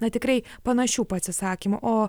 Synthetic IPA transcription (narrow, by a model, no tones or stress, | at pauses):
nɐt̪ʲɪkɾɐɪpɐnɐʃʲuːpɐt̪ʲsʲɪsɑːkʲimʊʔoː